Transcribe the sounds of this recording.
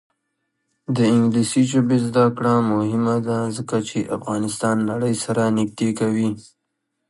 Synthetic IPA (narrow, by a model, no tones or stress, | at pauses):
d̪əɪŋɡlisiʒobezd̪akɽamʊhɪmad̪azəkat͡ʃeʔa̰fɣɑnɪst̪ɑnːaɽəjsaɾanɪk̚d̪ekawi